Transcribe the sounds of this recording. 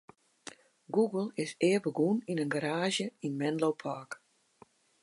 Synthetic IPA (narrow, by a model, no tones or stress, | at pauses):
ɡuɡəlˠɪsɪːbəɡuninənɡaɾaːʒjəinmɛnlowpʰaːk